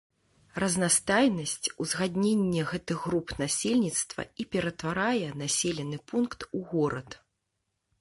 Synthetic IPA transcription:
rɐznast̪ajnɐsʲt͡sʲuzɣad̪ʲnʲenʲːɛɣɛt̪ɨɣɣːɾupnasʲelʲnʲit̪st̪vɐ̰ipʲɛɾɐt̪vaɾajɛnasʲelʲɛnɨpunkt̪uɣɔɾɐt̪

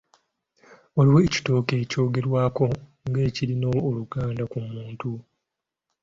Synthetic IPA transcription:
oliweːci̥to̞ːke̞ːco̞ːɡe̞ɾwaːko̞ | ŋɡe̞ːciɾino̞ːluɡaːndakumuːntu

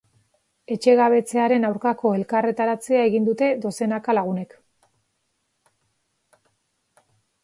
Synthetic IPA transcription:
e̞t͡ʃe̞ɣaβ̞e̞t͡se̞aɾe̞nawɾkako̞e̞lkare̞t̪aɾat͡seae̞ɣind̪ut̪e̞d̪o̞se̞nakalaɣ̞une̞k

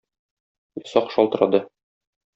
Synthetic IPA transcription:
jɒsɑqʃɒlˠt̪ɤ̆ɾɑ̰d̪ɤ

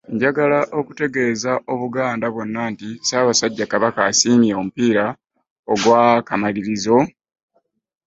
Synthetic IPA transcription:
ɲɟaɡalaʔo̞ku̥te̞ɡe̞ːzaʔo̞βuɡaːndaβo̞nːantisaːβasaɟːakaβakaːsiːmieomupiːɾa | oɡwakamaliɾizo̞

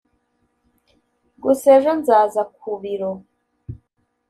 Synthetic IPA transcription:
ɡuseʒonzaːzak̚uβiɾo

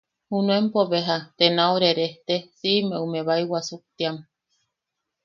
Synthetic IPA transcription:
hunuempoβeɦat̪enaoɾeɾeht̪esimeumeβaiwasuk̚t̪iam

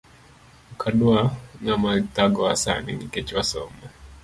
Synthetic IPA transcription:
kʰaduaŋamat̪aɡɔasa̰nḭniket͡ʃwasɔ̰ma

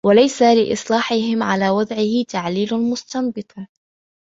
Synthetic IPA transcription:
walajsalɪʔɪ̰sˤlɑːħɪɦɪmʕalaːwɑd̪ˤʕɪhɪt̪aʕliːlʊmʊst̪ɑmbɨt̪ˤ

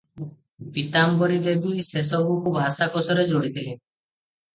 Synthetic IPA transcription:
bit̪ambɔɾid̪ebises̬ɔbukubʱasakɔsɔɾed͡ʒoɽid̪ʰʱili

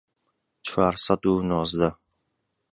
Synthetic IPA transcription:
t͡ʃʰwaːɾsad̪unɔːzd̪a

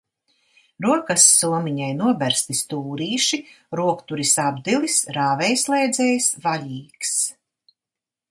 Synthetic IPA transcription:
ɾuɔkasːuɔmiɲajnuɔbæɾst̪ist̪uːɾiːʃi | ɾuɔkt̪uɾisabd̪ilisɾaːvɛjslˠɛjd̪zɛːjsvalʲiːks

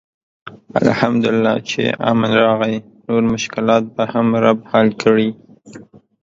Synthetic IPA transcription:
a̰lhamd̪ʊlɪlːɑt͡ʃḛɑ̰manɾɑɣaj | noɾmʊʃkɪlɑt̪̚bahamɾabhalkəɽi

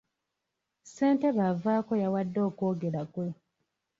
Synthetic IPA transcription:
se̞ːnte̞βavaːko̞jawadːo̞ːko̞ːɡe̞lakwe

